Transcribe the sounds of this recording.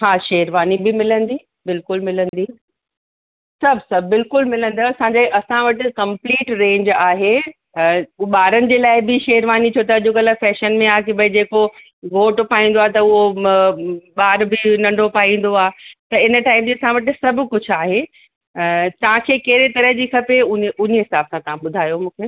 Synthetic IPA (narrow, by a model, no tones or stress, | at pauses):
hãːʃɐɦəɾʋaːnibɪmɪlə̃nd̪iː | bɪlkʊlmɪlə̃nd̪iː | sɐbʱsɐbbɪlkʊlmɪlə̃nd̪aɐsãɲd͡ʑeːʔɐsãʋɐʈɪ̆kɐ̃mpliːʈɾẽːɲd͡ʑaːɦe | ɓaːɾənɪ̆d͡ʑeːlaːɪbɪʃɛɦəɾʋaːnit͡ɕʰoːt̪ɐɐʄokɐləfɛːʃənmẽaːkʰebɐid͡ʑeːko | ɡʱoːʈpaːɦĩːn̆d̪oaːt̪ɐʊɦo | ɓaːɾbɪnɐ̃ɳɖʱopaːĩːn̆d̪oaːt̪ɐɪnəʈaːɪmd͡ʑiɐsãʋɐʈɪ̆sɐbʱkʊd͡ʑʰʱʊaːɦe | t̪ɐãkʰekɐɦɾet̪ɐɾəɦd͡ʑiːkʰɐpeʊʊɲeɦɪsaːbsãt̪ɐʋ̤ãɓʊd̪ʱaːjomũːkʰeː